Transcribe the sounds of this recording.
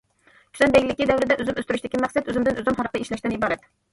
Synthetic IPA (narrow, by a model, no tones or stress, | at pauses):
kʰʲy̥zɛnb̪ɛɡʲɪlɪkʲid̪æwɾɪd̪ɛʔøzymøst̪yɾyʃt̪ɪkʲimæqsɛt̪øzymd̪ɪnʔøzymɦɑɾqʰəeʃlɛʃt̪ɪnibɑːɾɛt̪